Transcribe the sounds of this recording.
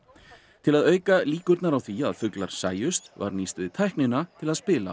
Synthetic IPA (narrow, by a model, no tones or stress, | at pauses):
t̪ʰɪlaðœːɥkaliːkʏɾt̪naɾawθiaðfʏklaɾ̥sa̰ːjʏst̪va̰ɾnist̪ʏðt̪ʰajhknɪnat̪ʰɪlaðspɪːla̰